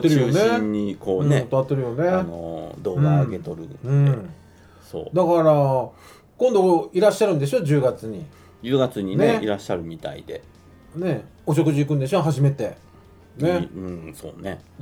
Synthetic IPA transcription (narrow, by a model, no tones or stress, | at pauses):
at̪ːeɾɯjoneiɲːikʰõːnet̪ːoat̪ːe̞ɾɯ̟jo̞ne̞no̰d̪o̞ːɡãːɡe̞t̪o̞ɾɯ̟̰nɯ̃e | so̰ːd̪akaɾa | kõnd̪o̞iɾaɕːaɾɯ̟̃nd̪e̞s̬od͡ʑɨːɡat͡sɨɲ̟i | d͡ʑɨːɡat͡sɨɲ̟ineeiɾaɕːaɾɯ̟mʲit̪a̰ḭd̪̥e̞ | ne̞ | oɕ̬o̞kɯ̟ʑiːkɯ̃nd̪e̞siooɦaʑime̞t̪e̞ | ne̞ɯ̃ɴso̰ːne̞